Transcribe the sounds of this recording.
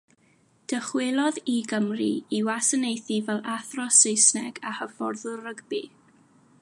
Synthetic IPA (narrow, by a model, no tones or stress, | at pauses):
d̥əχwelˠɔðiɡəmrḭiwasənejθivɛlˠʔaθrɔsejsnɛɡahəvɔrðʊrəɡbi